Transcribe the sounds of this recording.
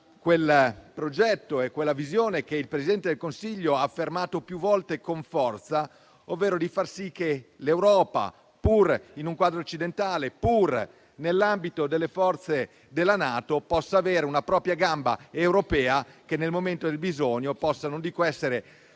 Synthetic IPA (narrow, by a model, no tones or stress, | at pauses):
kwelpɾod͡ʒɛt̪ːoekːwelːavizjoːnekeilpɾesid̪ɛnt̪ed̪elkonsiʎːoaːfːermaːt̪opjuvːɔlt̪ekoɱfɔrt̪sa | ovːeːɾod̪ifarsikːelewɾɔːpa̰ | purinuŋkwaːd̪ɾoːt͡ʃːid̪ent̪aːlepur | nelːambit̪od̪elːefɔrt̪se | d̪elːanaːt̪opɔsːaːveːɾeunapɾɔːpɾjaɡamba̰ewɾopɛːakenːelmoment̪od̪elbizoɲopɔsːanond̪iːkoɛsːeɾe